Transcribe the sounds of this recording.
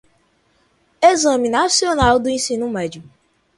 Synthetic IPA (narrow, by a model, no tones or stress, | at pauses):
ezɐ̃minasionawd̪uẽsĩnumɛd͡ʒiu